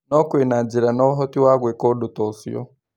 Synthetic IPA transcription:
nɔkwinad͡ʒiɾanɔɦɔtiwaɣwɛkɔdutɔsḭɔ̰

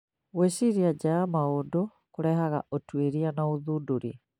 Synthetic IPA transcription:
weʃiɾiad͡ʒaamaondo | koɾɛɦaɣa̰ʔotweɾianaoðudoɾḭ

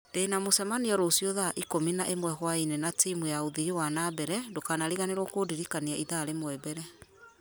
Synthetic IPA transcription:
d̥enamosɛmaniɔɾosioðaʔikominaʔemwɛhwainenatimujaoðijowanabɛɾɛdokanaɾiɣaneɾɔkodiɾikaniaʔiðaɾemoɛbɛɾɛ

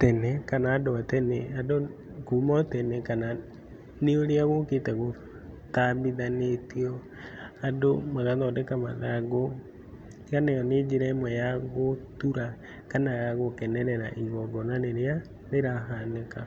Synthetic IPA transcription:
tɛnɛkanaːdoatɛnɛado | kumɔtɛnɛkana | neoɾeaɣoketɛɣo | tabiðanetiɔ | adomaɣaðɔːdɛkamaðaɡo | kanajɔned͡ʒeɾɛmwɛjaɣotuɾa | kanaɣaɣokɛnɛɾɛɾaʔiɣɔɡɔnaɾeɾea | ɾeɾaɦaneka

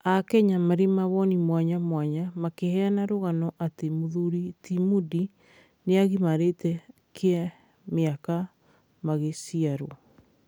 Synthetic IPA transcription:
akɛɲamaɾemaβɔnimwaɲamwaɲamakehɛanaɾoɣanɔʔatemoðuɾitimudi | neaɣimaɾetɛ | kʰea | meaka | maɣesiaɾo

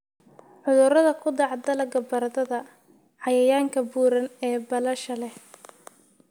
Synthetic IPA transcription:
ħʊðʊrɐðɐkʰʊd̪ɑʕd̪ɐlɐɡɐbɐɾɐðɐðɐ | ʕɑjɐjaːŋkʰɐbuːɾɐnɛːbɐlɐʃɐlɛ

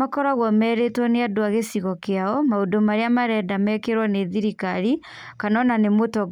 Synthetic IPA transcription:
akɔɾaɣwɔmɛːɾetwɔneadoaɣesiɣɔkeaɔmaodomaɾeamaɾɛdamɛkeɾwɔneðiɾikaɾi | kanɔnanemotɔ

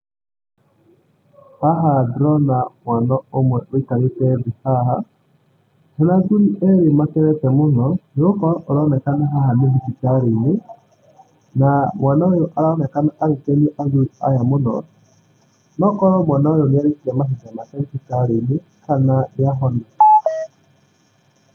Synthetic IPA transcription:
haɦadɾɔnamwanɔomwɛwekaɾetɛdihaɦa | hɛnaɡuɾiʔɛɾemakɛɾɛtɛmʊnɔnokɔɾɔʔɔɾanɛkanaɦaɦanedisitaɾenɪ | namwanaojɔʔaɾaɔnɛkanaʔaɾekɛnɛʔaɡuɾia̰jamʊnɔ̰ | nɔkɔɾɔmwanaojɔnɪaɾekiɾɛmaɦitamakɛnisitaɾenɪ | kananɪaɦɔnɛ

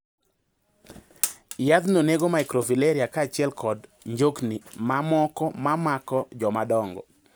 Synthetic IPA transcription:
jad̪noneɡomaɪkɾofileɾiakaːt͡ʃɪɛlkɔdɲd͡ʒoknimamɔkɔmamakɔd͡ʒɔmadɔŋɡɔ̰

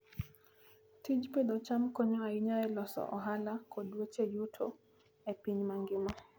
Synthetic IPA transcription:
tid͡ʒped̪ot͡ʃamkoɲɔaiɲaɛlɔsɔ̰ʔɔɦalakʰodwet͡ʃejutʰo̰ | epiɲmaŋɡɪma

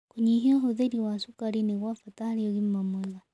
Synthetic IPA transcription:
kuɲiɦiaɦoðeɾiwasukaɾineɣwafataɾiɔɣimːamɛða

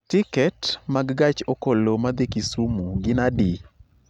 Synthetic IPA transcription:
tɪkɛtmaɡɡat͡ʃokolomad̪ekisumuɡɪnadi

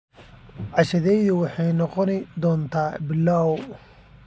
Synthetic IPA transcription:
ʕɑʃɐðɛjðʊwɑħɑjnɔqɔnɪd̪ɔːnt̪ʰaːbɪlːaw

